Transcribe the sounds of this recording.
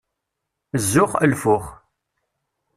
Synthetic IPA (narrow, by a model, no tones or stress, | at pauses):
əzːʊχəlfʊχ